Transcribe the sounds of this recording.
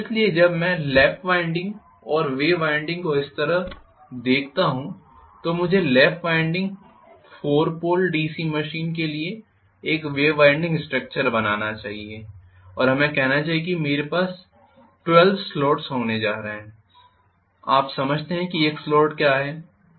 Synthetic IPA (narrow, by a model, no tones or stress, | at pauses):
ɪslied͡ʒɐbmɛ̃lɛːfʋãɪ̃ɳɖɪ̃ŋɡ | ɔːɾʋeːʋaːɪ̃ɳɖɪ̃ŋɡkoɪst̪ɐɾəɦ | d̪eːkʰt̪aɦũ | t̪omʊd͡ʒʱelɛːfʋaːɪ̃ɳɖɪ̃ŋɡ | foːɾpoːlɖiːsiməʃiːnk̬elie | eːkʋeːʋãːɪ̃ɳɖɪ̃ŋɡsʈɾək̚t͡ʃəɾbɐnaːnat͡ʃaːɦie | ɔːɾɦɐmẽkɛɦnat͡ʃaːɦijekimeːɾepaːs | ʈwɛlʋsloːʈsɦoːned͡ʒaːɾɐɦeɛ̃ | a̰ːpsɐməd͡ʒʱt̪eɦɛ̃kieːksloːʈkjaːɦɛː